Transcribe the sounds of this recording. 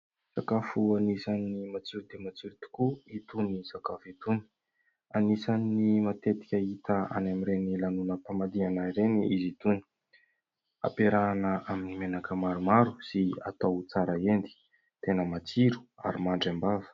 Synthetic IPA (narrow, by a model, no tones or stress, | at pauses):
sakafuanisanːimat͡siɾud̪emat͡siɾut̪u̥kuit̪unisakafit̪uni̥ | anisanːimat̪et̪i̥kʲait̪əa̰namiɾenilanunəpamad̪ianaiɾeniizit̪uni̥ | a̰peɾanəʔaminimenakəmaɾumaɾusia̰t̪awt͡saɾəend̪i̥ | t̪enəmat͡siɾu̥a̰ɾimaɳɖ͡ʐambavə̥